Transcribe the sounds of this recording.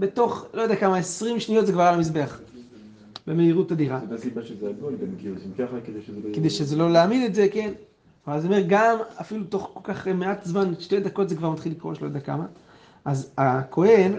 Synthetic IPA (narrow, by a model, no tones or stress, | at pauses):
be̞to̞χlojd̪eakamaesʁimʃnijo̞tzekvaʁalamis̬be̞aχ | beme̞iʁutadiʁadasibaʃezeaɡolɡamkisimkaχaked̪ejʃezekedejʃezelo̞leaːmidetze̞ke̞n | azme̞ʁɡamafiluto̞χko̞lkaχmeatzmanʃte̞jd̪ako̞tzekvaʁmat̪χilːikʁo̞ʃelojd̪eaka̰ma | ʔazakʰo̞he̞n